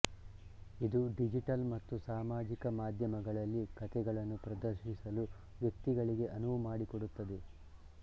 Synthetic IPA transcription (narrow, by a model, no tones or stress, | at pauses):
id̪uɖid͡ʒiʈɐlmɐt̪ːusaːmaːd͡ʒikɐmaːd̪ʱjɐmɐɡɐɭɐlːikɐt̪ɛɡɐɭɐnːupɾɐd̪ɐɾʃisɐlu | ʋjɐk̚t̪iɡɐɭiɡe̞ʔɐnuʋumaːɽikoɽut̪ːɐd̪e̞